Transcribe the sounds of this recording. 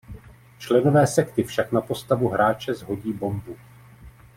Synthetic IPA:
t͡ʃlɛno̞vɛːsɛkt̪ɪfʃaknapo̞st̪avuɦɾaːt͡ʃɛzɦo̞ɟiːbo̞mbu

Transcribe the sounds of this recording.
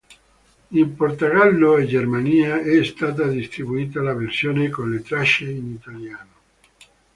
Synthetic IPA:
import̪oɡalːoed͡ʒermaniːaɛst̪aːt̪̬ad̪ist̪ɾibuiːt̪alaversjoːnekonlet̪ɾaʃeinit̪aljaːno

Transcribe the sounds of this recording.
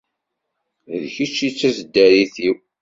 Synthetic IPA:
ðçit͡ʃːit͡sːæsəd̪ːæɾiθiw

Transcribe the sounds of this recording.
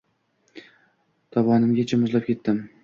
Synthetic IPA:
t̪ʰɒbɒnɪmɡʲat͡ʃʰɪmɪzlap̚kʲʰe̞t̪ːɪm

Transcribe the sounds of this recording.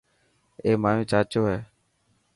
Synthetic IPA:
eːmaːjũːt͡ʃaːt͡ʃoːɦeː

